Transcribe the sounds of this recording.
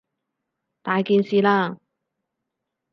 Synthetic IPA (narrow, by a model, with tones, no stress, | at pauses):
t̪aː˨jkiː˨nsiː˨laː˧